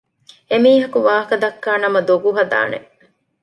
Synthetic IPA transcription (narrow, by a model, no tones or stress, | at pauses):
emiːɦɐkuʋaːɦɐkɐd̪ɐkːaːnɐmɐd̪oɡuɦɐd̪a̰ːnḛ